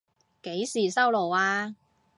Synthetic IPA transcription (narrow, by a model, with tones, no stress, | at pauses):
ke˨˥jsiː˨˩sɐ˥wlo˨˩waː˧